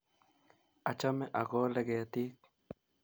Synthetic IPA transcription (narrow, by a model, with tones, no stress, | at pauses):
a˨t͡ʃame˦ʔa˨ɣoː˦le˨ɣe˨t̪iː˦k̚